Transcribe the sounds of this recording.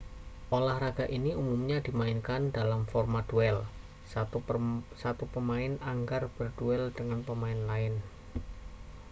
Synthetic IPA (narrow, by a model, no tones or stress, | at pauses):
ʔolahraɡ̥a̤ʔiniumumɲad̪̥imaɪnkandalamfɔrmad̪̥uɛl | sa | sat̪upəmaɪnaŋɡarb̥ərd̥uɛld̥əŋanpəmaɪnlaɪn